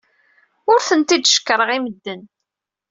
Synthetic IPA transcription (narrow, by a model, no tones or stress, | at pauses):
ʊɾθənt̪id̪ʃə̥kːɾˤəʁiməd̪ːən